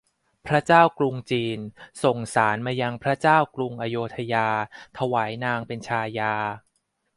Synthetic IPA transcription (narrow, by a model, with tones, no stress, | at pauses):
pʰɾa˦˥t͡ɕaː˥˩wklu˧ŋt͡ɕiː˧nso˨˩ŋsaː˩˦nmaː˧ja˧ŋpʰɾa˦˥t͡ɕaː˥˩wklu˧ŋʔa˧joː˧t̪ʰa˧jaː˧t̪ʰa˧waː˩˦jnaː˧ŋpe˧nt͡ɕʰaː˧jaː˧